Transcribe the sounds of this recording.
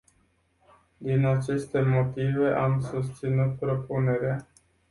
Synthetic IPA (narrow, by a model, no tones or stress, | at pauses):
d̪inat͡ʃe̞st̪e̞mo̞t̪ive̞ʔamsust̪sinut̪pɾo̞pune̞ɾea